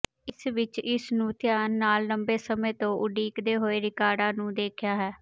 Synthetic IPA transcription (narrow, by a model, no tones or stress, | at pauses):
ɪsʋɪt͡ʃɪsnũːt̪ɪjaːnːaːlːəmbeːsəmẽːt̪õːʔʊɖiːkd̪eːɦoːeːɾɪkaːɖãːnũːd̪eːkʰjaːɦɛː